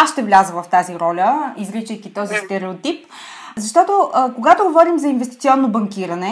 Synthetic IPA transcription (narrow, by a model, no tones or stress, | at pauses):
asʃt̪ɛvlʲazəvɐft̪aziɾɔlʲəizɾit͡ʃəjkit̪ɔzist̪ɛɾɛot̪ip | zɐʃt̪ɔt̪oʔəkoɡat̪oɡovɔɾimzɐinvɛst̪it̪siɔnːobɐŋkiɾɐnɛ